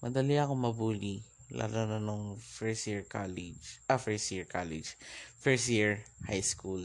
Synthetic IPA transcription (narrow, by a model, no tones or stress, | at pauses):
mɐd̪ɐliakomɐbuːli | lʔa̰lonanoŋfɛɹsiɹkalid͡ʒafɛɹsjiɹkalḭd͡ʒfɛɹsjiɹhajskul